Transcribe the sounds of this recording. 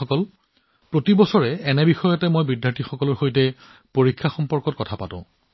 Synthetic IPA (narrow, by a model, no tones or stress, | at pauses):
ɔkɔl | pɹotibɔsɔɹɛːnɛbixɔjɔtɛmojbɹidjaɹtʰixɔkɔlɔɹxojtɛ | poɹikʰːaxɔmpɔɹkɔt̚kɔtʰapa̰tʊ̰̃